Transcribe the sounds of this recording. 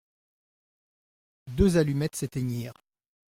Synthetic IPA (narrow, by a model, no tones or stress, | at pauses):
d̪øzalymɛt̪set̪eɲiːʁ